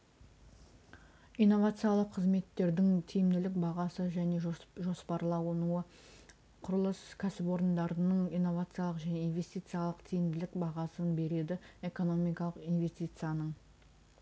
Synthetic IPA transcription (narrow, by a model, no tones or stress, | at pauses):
ijnːo̞vat̪sɨjalˠəqʰːəzme̞t̪ːe̞ɾd̪ɪŋt̪ʰijɪmd̪ɪlɪk̚bɑʁɑsəʒæne̞ʒo̞spɑɾlˠɑwnuə | qʰʊɾəlˠəskʲʰæsɪpo̞ɾənd̪ɑɾənəɴijnːo̞vat̪sɨjalˠəqʒæne̞inve̞st̪ijt̪sɨjalˠəqt̪ʰijɪmd̪ɪlɪkbɑʁɑsənbe̞ɾe̞d̪ɪe̞ko̞no̞mijkɑlˠəqinve̞st̪ijt̪sɨjanəɴ